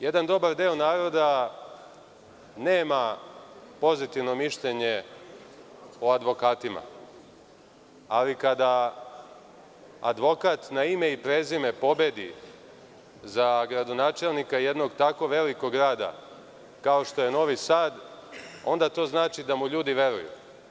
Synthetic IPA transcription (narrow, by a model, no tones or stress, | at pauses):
je̞d̪and̪o̞baɾd̪eonaːɾo̞d̪a | neːma | po̞zit̪iʋno̞miʃʎeɲe̞ | oad̪ʋo̞kaːt̪ima̰ | alikad̪a | a̰d̪ʋo̞kat̪naime̞ipɾe̞ːzime̞po̞be̞d̪ḭ | zaɡɾad̪o̞naːt͡ʃe̞lnikaije̞d̪no̞ɡt̪ako̞ʋe̞liko̞ɡɾaːd̪a̰ | kao̞ʃt̪o̞je̞no̞ʋisaːd̪o̞̰nd̪at̪o̞ːznaːt͡ʃid̪amuʎuːd̪iʋe̞ɾṵjṵ